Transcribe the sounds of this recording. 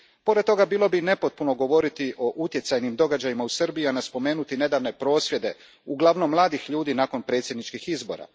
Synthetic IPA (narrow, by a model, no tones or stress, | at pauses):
po̞ɾed̪̚t̪ːo̞ɡabiːlo̞bine̞po̞t̪̚puno̞ɡo̞ʋo̞ɾit̪iʔo̞ʔut̪jesajnimd̪o̞ɡad͡ʑajimausr̩bijianaspo̞me̞ːnut̪ine̞d̪aːʋne̞pɾo̞ːsʋje̞d̪e̞ | uɡlˠaʋno̞mːlˠaːd̪ixʎuːd̪iːnaːko̞npɾe̞ːt̪sje̞d̪nit͡ʃkixizbo̞̰ɾa̰